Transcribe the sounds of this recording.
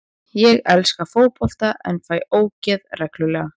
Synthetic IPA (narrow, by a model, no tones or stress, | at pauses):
jɛɣɛlskafoːwpɔft̪aɛnfaːjoːwcɛðrɛklʏlɛːɣa